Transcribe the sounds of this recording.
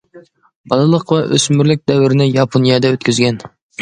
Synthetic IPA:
b̥ɑlˠɨlˠəqvɛʔø̰smyɾlɪk̚ʲd̪ɛwɪɾɪnɪjɑpʰonijɑd̪ɛøt̪̚kʲʰyzɡʲɛn

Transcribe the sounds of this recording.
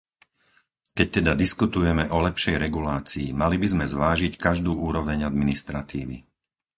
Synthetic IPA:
kɛc̚t̪ɛd̪ad̪iskut̪ujɛmɛʔɔlɛpʃɛjɾɛɡulaːt͡siːmalibizmɛzʋaːʒickaʒd̪uːuːɾɔʋɛɲad̪minist̪ɾat̪iːʋḭ

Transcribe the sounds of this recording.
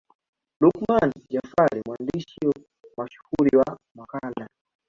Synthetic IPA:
lukmand͡ʒafaɾimwandiʃi | maʃu̥huɾiwamakala

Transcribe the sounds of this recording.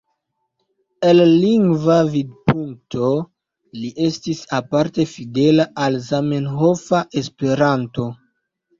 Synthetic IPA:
elːiŋɡvavid̚pʰuŋk̚tʰo̞ | liʔe̞stisapaɾte̞fide̞laʔalzame̞nɦo̞faʔe̞spe̞ɾanto̞

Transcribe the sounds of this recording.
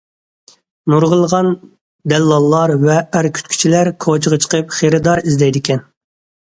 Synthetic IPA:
nuɾʁəlˠʁɑn | d̪ɛlːɑlˠːɑɾvɛːɾkʲʰy̥t̪kʲʰy̥t͡ʃʰilæɾkʰot͡ʃʰəʁət͡ʃʰə̥qʰəpχeɾɨd̪ɑɾizd̪ɛjd̪ɪkʲʰɛn

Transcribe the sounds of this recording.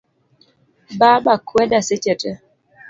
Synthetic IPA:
baːɓakwɛdaset͡ʃɛtɛ

